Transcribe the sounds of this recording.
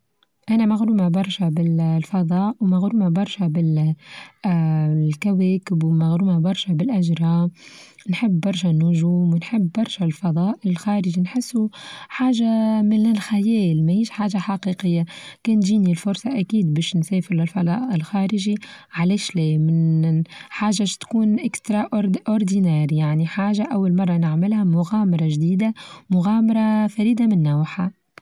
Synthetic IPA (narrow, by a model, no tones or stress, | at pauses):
ʔænæmaɣɾuːmabɑɾˤʃabɪllfɑd̪ˤɑːʔwmaɣɾuːmabɑɾˤʃabɪl | kawɛːkɪbwmaɣɾuːmabɑɾˤʃabɪlʔaʒɾˤɑːnħɪbːɑɾˤʃanʊʒuːmwnħɪbːɑɾˤʃalfɑðˤɑːʔɪlxɑːɾɪʒinħɪsːuħaːʒamɪnɪlxæjɛːlmæhiːʃħaːʒaħaqiːqəjːakɛːnt̪ʒiːnilfʊɾsˤɑʔækiːd̪bɛːʃnsɛːfɪɾlɪlfɑlɑ̰ːʔɪlxæːɾɪʒiʕalɛːʃlɛːmɪn | ħaːʒaʃt̪kuːnʔɪkst̪ɾˤɑʔʔʊɾd̪inaːɾjaʕniħaːʒaʔawːalmɑrˤːɑnɪʕmɪlhamʊɣaːmɑɾˤɑʒd̪iːd̪amʊɣaːmɑɾˤɑfæɾiːd̪amɪnːawħa